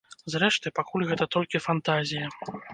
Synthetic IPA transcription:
zɾɛʂt̪ɨpakulʲɣɛt̪ɐt̪ɔlʲkʲifant̪azʲijɐ

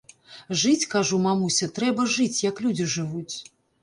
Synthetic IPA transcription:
ʐɨt͡sʲkaʐumamusʲɐt̪ɾɛbɐʐɨt͡sʲjɐklʲud͡zʲiʐɨvut͡sʲ

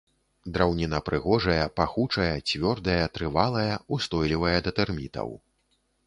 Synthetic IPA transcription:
d̪ɾawnʲinɐpɾɨɣɔʐɐjɐpaxut͡ʂɐjɐt͡sʲvʲɔrd̪ɐjɐt̪ɾɨvalˠɐjɐust̪ɔjlʲivɐjɐd̪ɐt̪ɛrmʲit̪ɐ̰w

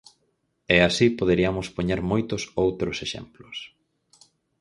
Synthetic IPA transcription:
ɛasipoðeɾiamʊspoɲeɾmojt̪ʊsowt̪ɾoseʃḛmplʊs

